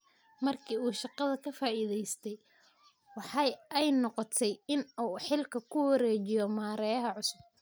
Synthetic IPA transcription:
mɐrkʰiːuːʃɑqɑðɐkʰɐfaːʔiːðɛjst̪ʰɛj | wɑħɑjɛjnɔqɔt̪ʰɛjɪnuːħɪlkʰɐkʰʊwɐɾɛːt͡ʃɪjɔmaːɾɛjɐɦɐʕʊsʊb̚

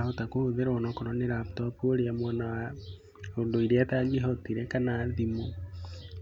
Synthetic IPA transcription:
hotakohoðeɾɔnɔkɔɾɔneɾaptɔpuoɾeamwanawa | ondoiɾataːɡiɦɔtiɾekanaðimo

